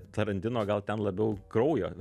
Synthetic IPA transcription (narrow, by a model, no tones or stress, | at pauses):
t̪ɐɾɐnʲd̪ʲɪnoːɡɐlˠt̪ʲɛnlˠɐbʲɛʊkɾɐʊjo̰ː